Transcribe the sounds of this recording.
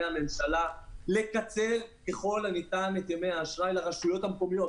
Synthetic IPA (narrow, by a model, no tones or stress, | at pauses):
ame̞mʃalale̞kat͡se̞lke̞χo̞lanit̪anet̪emeaːʃʁajlaʁaʃujo̞thamkomijo̞